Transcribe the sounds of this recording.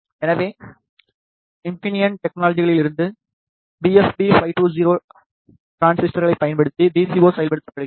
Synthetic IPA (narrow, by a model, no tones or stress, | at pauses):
ɛnɐʋeː | ɪmpɪnɪjɐnʈɛk̚naːlɐd͡ʒɪɣɐɭɪlɪɾɯnd̪ɯ | biɛsbifɐɪʈuːziːɾoː | ʈɾaːnsɪsʈɐɾɣɐɭɐɪpːɐjɐnpɐɽɯt̪ːid̪iːsioːsɐjɐlpɐɽɯt̪ːɯpːɐɽɐ